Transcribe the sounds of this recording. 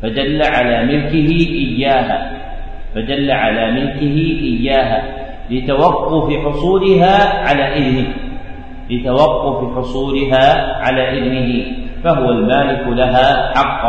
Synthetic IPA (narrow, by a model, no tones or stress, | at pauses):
fad̪alːaʕalaːmɪlkɪɦɪʔɪjːaːɦaː | fad̪alːaʕalaːmɪlkɪɦɪʔɪjːaːɦaː | lɪt̪awɑqːʊfɪħʊsˤuːlɪɦaːʕalaːʔɪðnɪh | lɪt̪awɑqːʊfɪħʊsˤuːlɪɦaːʕalaːʔɪðnɪɦɪfaɦʊwalmaːlɪkʊlaɦaːħɑqː